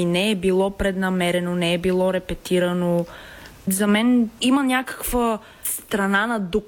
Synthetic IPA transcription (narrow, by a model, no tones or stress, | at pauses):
nɛɛbilˠɔpɾɛd̪nɐmɛɾɛnonɛɛbilˠɔɾɛpɛt̪iɾɐno | zɐmɛnimənʲjakə̥kvə | st̪ɾɐnanɐd̪ok